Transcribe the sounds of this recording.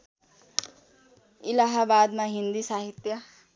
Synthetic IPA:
ɪlaɦabaːd̪mãɦɪ̃nd̪isaːɦɪt̪jə

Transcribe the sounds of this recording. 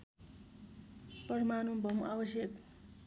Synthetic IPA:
pʌɾmanubʱʌmabʌsjʌk

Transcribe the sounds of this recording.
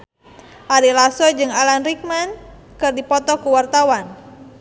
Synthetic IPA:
ʔaɾilasɔd͡ʒɨŋalanrik̚man | kɨrdipɔt̪ɔkuwart̪awan

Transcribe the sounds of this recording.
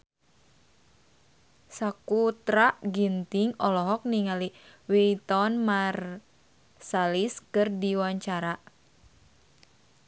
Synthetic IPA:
sakut̪ɾaʔɡint̪iŋɔlɔɦɔk̚niŋaliwit̪ɔnmar | saliskɨrdiwaɲt͡ʃaɾa

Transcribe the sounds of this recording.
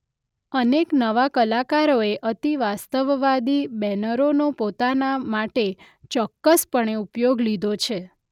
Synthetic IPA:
əneknəʋakəlakaɾoeʔət̪iʋast̪əʋʋad̪ibɛnəɾonopot̪anamaʈe | t͡ʃɔkːəspəɳeupjoɡlid̪ʱot͡ʃʰe

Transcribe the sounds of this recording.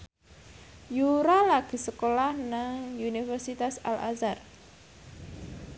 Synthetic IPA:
juɾalaɡ̥i̤səkolahnaŋunifərsit̪asa̰lʔa̰sar

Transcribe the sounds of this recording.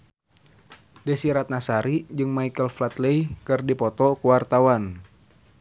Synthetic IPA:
dɛsiɾat̪̚nasaɾid͡ʒɨŋmaikəlflat̪leikɨrdipɔt̪ɔkuwart̪awan

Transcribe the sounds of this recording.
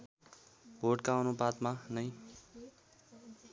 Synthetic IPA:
boʈkaʌnubad̪manʌj

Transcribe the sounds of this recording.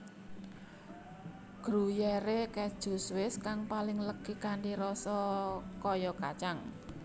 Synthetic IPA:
ɡ̥ɾujɛɾekɛd̥ʒ̥ṳswɪskaŋpalɪŋləkikaɳɖiɾɔsɔkɔjɔka̰t͡ʃaŋ

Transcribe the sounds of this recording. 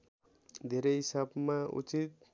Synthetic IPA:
d̪ʱeɾeɦisabmaṵt͡ʃit̪̚

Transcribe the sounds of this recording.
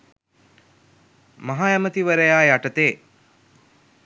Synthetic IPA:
maɦaːjamət̪iʋəɾəjaːjaʈət̪eː

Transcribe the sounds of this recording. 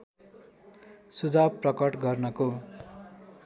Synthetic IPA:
sud͡zab̚prʌkʌʈɡʌrnʌko

